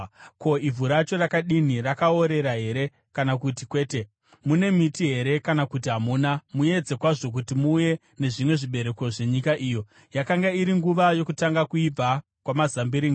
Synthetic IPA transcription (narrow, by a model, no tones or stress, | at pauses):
kʰo̞ivʱuɾat͡ʃo̞rakaɗinirakao̞ɾe̞ɾaɦe̞ɾe̞ | kanakutikwe̞ːte̞ | mune̞mitiɦe̞ɾe̞kanakut̬iɦamuːnamue̞d͡ze̞kwaʐo̞k̬utimuːje̞ | ne̞ʐimwe̞ʐiɓe̞ɾe̞ko̞ʐe̞ɲikaʔiːjo̞ | jakaŋɡaiɾiŋɡuʋajo̞kutaŋɡakuib͡va | kwamazambiɾiŋɡa